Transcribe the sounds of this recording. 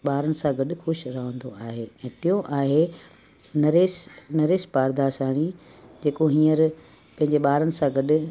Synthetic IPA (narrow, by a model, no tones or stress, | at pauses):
ɓaːɾənɪ̆sãɡɐɗʊ̆xʊʃɾɐɦə̃nd̪oaːɦeːɛ̃ːt̪ijoʔaːɦe | nɐɾeːsnɐɾeːspaːɾd̪aːsaːɽ̃id͡ʑeːkoɦĩːəɾ | pɐ̃ɦɪ̃ɲd͡ʑeɓaːɾənɪ̆sãɡɐɗʊ̆